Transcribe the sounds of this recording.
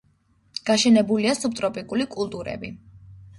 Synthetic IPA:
ɡ̥aʃɛnɛbuliasup̚t̪ʼɾɔpʼikʼulikʼulˠt̪ʼuɾɛ̰bi

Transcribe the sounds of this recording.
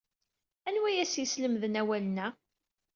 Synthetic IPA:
ænwæjæsjisləmðənæwælənæ

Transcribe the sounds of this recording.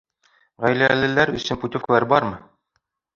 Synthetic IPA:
ʁæjlælɘ̆læɾɵ̰̆sɘnput̪ʲofklˠæɾbɑɾmɤ

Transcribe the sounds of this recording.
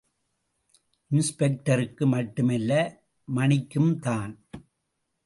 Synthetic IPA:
ʔɪnspɛk̚ʈɐɾɯkːɯmɐʈːɯmɛlːɐ | mɐnɪkːɯmt̪aːn

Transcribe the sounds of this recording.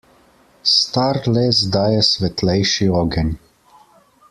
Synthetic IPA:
st̪aɾlɛzd̪aːjɛsʋɛt̪lɛjʃiɔɡɛnʲ

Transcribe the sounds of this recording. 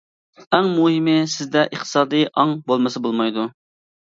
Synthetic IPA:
ɛŋmuɦɪmɪsɪzd̪ɛʔəχt̪ʰɨ̥sɑːd̪ɨjʔɑŋbolˠmɨsɨbolˠmɑjd̪u

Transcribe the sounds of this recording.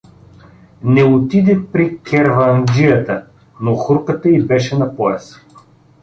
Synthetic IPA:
nɛot̪id̪ɛpɾikɛɾvɐnd͡ʒijət̪ə | noxuɾkət̪əibɛʃɛnɐpɔjɛs

